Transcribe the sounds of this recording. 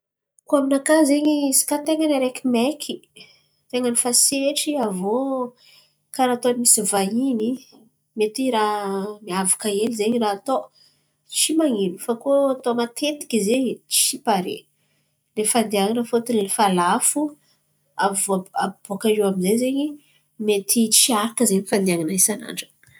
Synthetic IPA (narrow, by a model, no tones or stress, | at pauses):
koaminakazeɲisi̥kat̪eŋanaɾekʲimɛkʰi | t̪eŋənifaseʈ͡ʂiavo | kaɾat̪oanimisivaini | met̪iɾamiavakaelizeɲraːt̪o | t͡simaŋinufakoat̪omat̪ʰet̪i̥kʲizeɲt͡ʃi̥ʃipaɾḛ | lefand̪iaŋanafot̪inlifalafu | avabokaewamizezeɲi | met̪it͡siaɾakəzeɲfand̪iaŋanaisana̰ɳɖ͡ʐə̥